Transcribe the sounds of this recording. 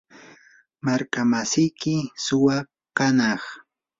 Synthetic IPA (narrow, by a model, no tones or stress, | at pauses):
maɾkamasɪjkɪsʊwɑ | kanɑχ